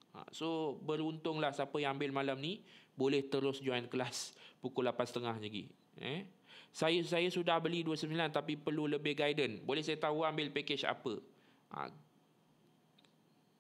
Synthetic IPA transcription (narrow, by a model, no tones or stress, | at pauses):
a̰sobəɾunt̪ʊŋlahsapəjaŋambɪlmalamnibolɛht̪əɾʊsd͡ʒuankəlaspukʊlapansə̥t̪əŋahd͡ʒəɡḭʔ | ɛ̰ | sajasajasudahbəliduəsəmbilant̪apipərluləbɪhɡajdənbolɛhsajat̪aɦuambɪlpeket͡ʃa̰pə | ʔa̰